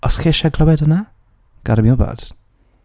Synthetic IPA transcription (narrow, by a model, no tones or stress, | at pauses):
ɔsχeʃaɡlˠɔwɛdəna | ɡ̥aɾmjɔba̰d̥